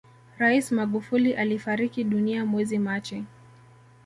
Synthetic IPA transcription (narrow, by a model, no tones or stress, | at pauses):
ɾaismaɠufuliʔalifaɾikiɗuniamwɛzimat͡ʃɛ